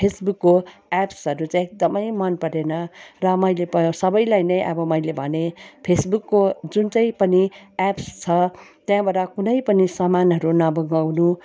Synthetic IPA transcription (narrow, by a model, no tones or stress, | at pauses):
pʰesbukːoapsʌɾut͡saĩek̚d̪ʌmʌjmʌnpʌɾenʌrʌmʌjlepʌõsʌbʌjlajnʌjʔʌ̰bʌmʌjlebʱʌnepʰesbukːod͡zunt͡saĩpʌniapst͡sʰʌt̪jãbaʈakunʌjpʌnisʌmanɦʌɾunʌbʌŋɡawnu